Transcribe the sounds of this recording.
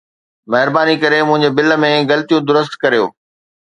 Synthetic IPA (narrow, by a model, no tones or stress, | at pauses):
mɐɦɪɾbaːnikɐɾemʊ̃ɦɪ̃ɲd͡ʑebɪləmẽɣɐlt̪ijũd̪ʊɾəst̪kɐɾijo̰ː